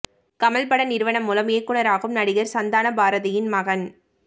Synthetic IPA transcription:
kɐmɐlpɐɽɐnɪɾɯʋɐɳɐmːʊːlɐmeːkːɯɳɐɾaːɣɯmnɐɽɪɣɐɾsɐnd̪aːnɐbaːɾɐðɐjɪnmɐɣɐn

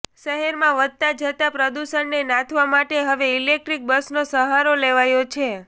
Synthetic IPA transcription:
ʃəɦɛɾmãʋəd̪̚t̪ad͡ʒət̪apɾəd̪uʃənːenãt̪ʰʋamaʈeɦəʋeilek̚ʈɾik̚bəsnosəɦaɾoleʋajot͡ʃʰe

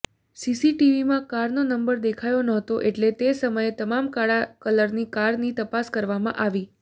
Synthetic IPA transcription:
sisiʈiʋimãkaɾnonəmbəɾd̪ekʰajonəɦt̪oʔeʈlet̪esəməjet̪əmamkaɭakələɾnikaɾnit̪əpaskəɾʋamã̰ʔaʋi

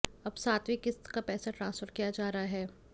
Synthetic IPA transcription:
ɐbsaːt̪ʋikɪst̪kapɛːsaʈɾãːnsfəɾkijad͡ʒaːɾaɦaɦɛː

